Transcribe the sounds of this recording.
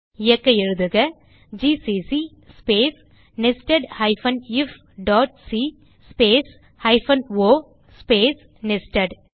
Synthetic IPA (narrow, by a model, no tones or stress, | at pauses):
ɪjɛkːɐɪɾɯðɯɣɐ | d͡ʒisisi | speːs | nɪsʈɐɖhɐɪfɐnɪf | ɖaːʈsi | speːs | hɐɪfɐnoː | speːs | nɪsʈɐɖ